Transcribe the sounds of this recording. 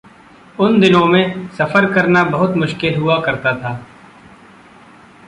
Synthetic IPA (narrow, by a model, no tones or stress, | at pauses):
ʊnd̪ɪnõmẽsɐfəɾkɐɾnabɐɦʊt̪mʊʃkɪlɦʊakɐɾt̪at̪ʰaː